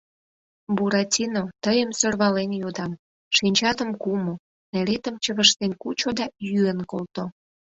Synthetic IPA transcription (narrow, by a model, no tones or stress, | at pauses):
buɾɑtʲinot̪əjəmsørβɑlenjod̪ɑm | ʃinʲt͡ɕɑt̪əmkumo | nelet̪əmt͡ɕəβəʃt̪enkut͡ɕod̪ɑjyənkolt̪o